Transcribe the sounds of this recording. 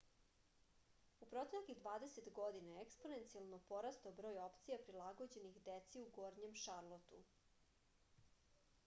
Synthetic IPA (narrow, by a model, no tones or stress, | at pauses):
upɾo̞t̪enakid̪ʋaːd̪e̞set̪ɡo̞d̪inaekspo̞ne̞nt̪sialˠnopo̞ɾast̪abɾo̞ːjopt̪sijapɾilˠaɡod͡ʑe̞nixd̪et̪siuɡoːɾɲemʃaɾlˠot̪u